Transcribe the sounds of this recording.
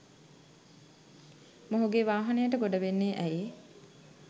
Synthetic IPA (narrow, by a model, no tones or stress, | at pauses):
moɦuɡeʋaːɦɐnəjəʈəɡoɖɐʋenːeːʔæje